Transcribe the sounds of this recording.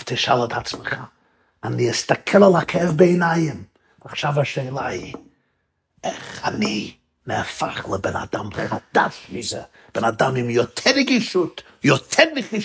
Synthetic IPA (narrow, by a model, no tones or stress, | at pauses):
ftʰɪʃalˠətʰat͡sməχa | aniɛstakʰɛlˠəlˠakʰɛvbeːnajɪm | aχʃavaʃeɪlˠa̰j | ɛχani | nɛfaχlˠəbɛna̰damχad̥aʃvizə | b̥ɛnadamɪmjɔtʰɛɾɪɡiʃut | jɔtʰɛnnɪχnɪʃ